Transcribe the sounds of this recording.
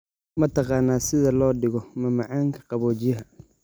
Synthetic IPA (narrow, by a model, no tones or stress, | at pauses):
mɐt̪ʰɑqɑːnːaːsɪðɐlɔːɖɪɣɔmɐmɑʕɑːŋkʰɐ̥qɑβɔːt͡ʃɪjɐɦɐ